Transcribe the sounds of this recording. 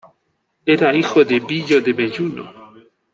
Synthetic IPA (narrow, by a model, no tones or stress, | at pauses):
eɾaixoðebiʎoðeβeʎuno̰